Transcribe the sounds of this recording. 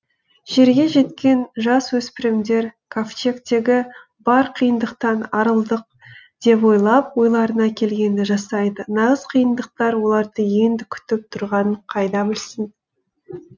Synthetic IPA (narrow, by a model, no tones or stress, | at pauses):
ʒ̥e̞ɾɡʲe̞ʒe̞t̪kʲe̞nʒɑswɵspɪɾɪmd̪e̞ɾkʰoft͡ʃe̞kt̪e̞ɡʲɪ | bɑɾqʰijənd̪əqt̪ɑnɑɾəlˠd̪əq̚ | d̪̥e̞p̬wo̞jlˠɑpwo̞jlˠɑɾənɑkʲʰe̞lɡʲe̞nd̪ɪʒɑsɑjd̪ənɑʁəzqʰijənd̪əq̚t̪ɑɾwo̞lˠɑɾd̪əje̞nd̪ɪkʲʰʏ̥t̪ɪp̚t̪ʰʊɾʁɑnəɴqʰɑjd̪ɑbɪlsɪn